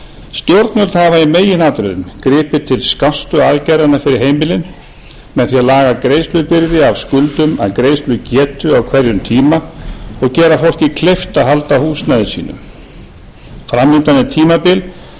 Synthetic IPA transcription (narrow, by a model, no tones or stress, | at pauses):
st̪jɔwɾt̪nœlt̪havaimeːjɪnaːt̪ɾɛðʏmkɾɪːpɪt̪ʰɪlskast̪ʏaːðcajɾanafɪɾɪɾɦeːjmɪlɪn | mɛðθiaðlaːɣakɾeːjst̪lʏpɪɾðɪavskʏlt̪ʏma̰ðkɾeːjst̪lʏcɛːt̪ʏawkʰvɛɾjʏmt̪ʰiːmaɔɣcɛːɾafol̥cɪkʰlejft̪aðɦalt̪ahuːsnaːðɪsḭːnʏ̰m | fɾamːɪnt̪anːɪt̪ʰiːmapɪl